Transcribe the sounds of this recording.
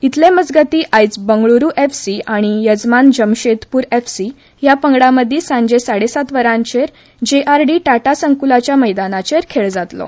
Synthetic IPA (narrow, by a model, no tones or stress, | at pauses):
it̪lẽməd͡zɡət̪iːʔajt͡sbəŋɡɭuɾuːʔefsiaɽ̃ijəd͡zmand͡ʑəmɕet̪puːɾefsi | japəŋɡɽãməd̪ʱːiːsãɲd͡ʑesaɽesat̪ʋəɾãɲt͡ɕeɾ | d͡ʑeʔaɾɖiːʈaʈasəŋkulat͡ɕjaməjd̪anat͡ɕeɾkʰeɭd͡zat̪lo̰